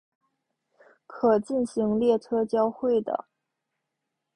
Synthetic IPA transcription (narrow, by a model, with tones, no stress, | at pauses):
kʰɤ˨˩t͡ɕi˥˩nɕi˧˥ŋljɛ˥˩tʰɤ˥t͡ɕjɑ˥ʊxwe˥˩ɪd̪ə̰˩